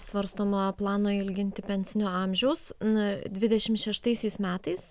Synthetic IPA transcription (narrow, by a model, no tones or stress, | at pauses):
sʋɐɾst̪oːmoːplˠɑːnoːɪlʲɡʲɪnʲt̪ʲɪpʲɛnʲsʲɪnʲoːɑmʲʒʲɛʊsnd̪ʲʋʲɪd̪ʲɛʃʲɪmʃʲɛʃt̪ɐɪsʲɛɪsmʲæːt̪ɐɪs